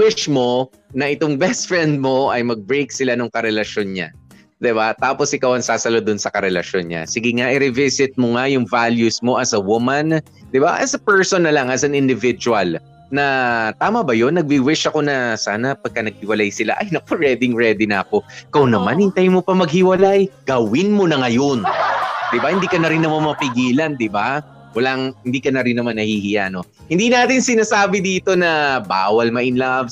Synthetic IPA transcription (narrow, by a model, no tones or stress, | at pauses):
wɪʃmo̞ | nɐʔɪt̪oŋbɛst̪̚fɹɛnd̪̚mo̞ʔɐjmɐɡ̚bɹejk̚sɪlanʊŋkɐɾɛlɐʃo̞nɲa̰ | d̪ɪbat̪aːpo̞sʔɪkawɐŋsaːsɐlod̪ʊnsɐkɐɾɛlɐʃonɲa̰sɪɡɪŋaʔɪɾɪvɪsɪt̪̚moŋajʊŋvaljusmo̞ʔɐsɐwʊman | d̪ɪba̰ʔɐ̰sɐpɛɹsonːɐlɐŋʔɐs̬ɐnɪnd̪ɪvɪd͡ʒuwɐl | nɐt̪aːmɐbɐjo̞nːɐɡ̚biwɪʃɐko̞nɐsa̰ːnɐpɐɡ̚kɐnɐɡ̚hɪwɐlajsɪla̰ʔɐjnɐk̚oɹɛd̪ɪŋɹɛd̪ɪna̰ːko̞ɪkɐwnɐmanjɪŋt̪ajmopɐmɐɡ̚hɪwɐlajɡ̥ɐwɪnmo̞nɐŋɐjo̞nd̪̥ɪbahɪnd̪iːkɐnɐɾɪnːɐmanmɐpɪɡiːlɐnd̪ɪba | wɐlaŋhɪnd̪iːkɐnɐɾɪnːɐmanːɐhihɪjaʔɐno̞ | hɪnd̪iːnaːt̪ɪnsɪnaːsaːbɪd̪iːt̪o̞nɐba̰ːwɐlmɐʔɪnlavs